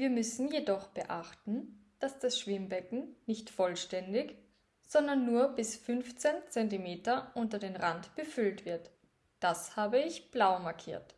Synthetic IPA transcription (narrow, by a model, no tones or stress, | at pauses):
viːɐmʏsn̩jedɔχb̥əʔaχtn̩d̥asd̥asʃv̥ɪmbɛkŋ̩nɪçtfɔlʃtɛndɪç | z̥ɔndɐnːuːɐbɪsfʏnft͡sent͡sɛntimeːtɐʔʊntɐdeːnʁantb̥əfʏltv̥ɪɐt | d̥ashaːbəɪçb̥laʊmaɐkʰḭːɐt